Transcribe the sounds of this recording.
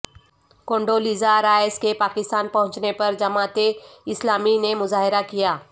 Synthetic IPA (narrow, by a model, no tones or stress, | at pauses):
kõːɳɖoːliːzaɾaːeskepaːkɪst̪aːnpɐɦʊ̃ɲt͡ʃnepɐɾd͡ʒɐmaːt̪eɪslaːminemʊzaːɦɪɾakijaː